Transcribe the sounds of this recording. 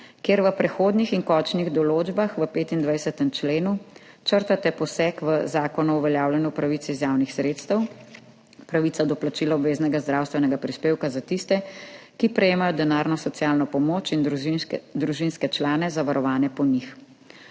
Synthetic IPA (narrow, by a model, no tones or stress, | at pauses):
keːɾʋəpɾɛxoːd̪nixiŋkɔt͡ʃniɣd̪ɔloːd͡ʒbaxʋəpeːt̪ind̪ʋajsɛt̪ɛmt͡ʃleːnu | t͡ʃəɾt̪at̪ɛpɔsɛkʋəzaːkɔnɔuʋɛljaːwljɛnjupɾaʋit̪siizjaːwnixsɾeːt̪st̪əw | pɾaʋit̪sad̪ɔplat͡ʃiːlaɔbʋeːznɛɡazd̪ɾaːwst̪ʋɛnɛɡapɾispeːwkazat̪ist̪ɛkipɾɛjeːmajɔd̪ɛnaːɾnɔsɔt̪sjaːlnɔpɔmoːt͡ʃin | d̪ɾuʒinskɛt͡ʃlaːnɛzaʋaɾɔʋaːnɛpɔnix